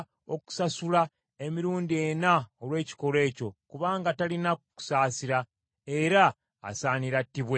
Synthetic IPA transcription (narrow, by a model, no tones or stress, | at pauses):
o̞ku̥sasula | e̞miɾuːndie̞naolwe̞ːci̥ko̞le̞ːco̞kuβaːŋɡatalinaku̥saːsiɾa | e̞ɾa̰ː | saːniɾatːiβwe